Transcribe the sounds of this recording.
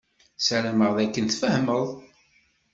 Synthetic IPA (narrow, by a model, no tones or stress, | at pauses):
sæɾæməʁðækːənθfəhməðˤ